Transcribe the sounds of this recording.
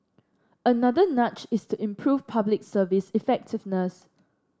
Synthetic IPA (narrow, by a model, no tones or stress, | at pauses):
ənadənat͡ʃɪstʰuɪ̃mpʰɹuvpʰablɪksəvɪsifɛk̚tɪvnəs